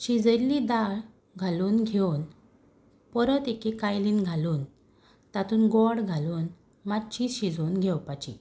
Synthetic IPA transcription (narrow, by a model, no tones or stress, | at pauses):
ɕid͡zəlid̪aɭ | ɡʱaluːnɡʱewn | pəɾət̪ekekajliːnɡʱaluːn | t̪at̪uːnɡɔɽɡʱaluːn | madt͡ɕiɕid͡zonɡʱɛwpat͡ɕḭ